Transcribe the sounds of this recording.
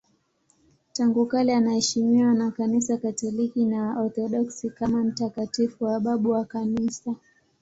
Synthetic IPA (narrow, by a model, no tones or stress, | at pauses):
taŋɡukalɛanahɛʃimiwanakanisakatɔlikinaɔθɔɗɔksikamam̩takatifuwaɓaɓuwakanisa